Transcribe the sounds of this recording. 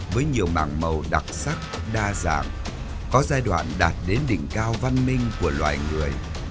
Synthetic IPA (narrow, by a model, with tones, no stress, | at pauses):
vəː˨˦jɲi˨˩əwma̰ː˧˩ŋmə˨˩wɗa˨˩k̚sa˦˥k̚ | ɗaː˧za̰ː˧˨ŋ | kɔ˨˦zaː˧jɗwa̰ː˧˨nɗaː˨˩t̚ɗe˨˦nɗḭ˧˨ŋ̟kaː˧wva˧nmï˧ŋ̟ku˧˩əlwa̰ː˨˩jŋɨ˨˩əj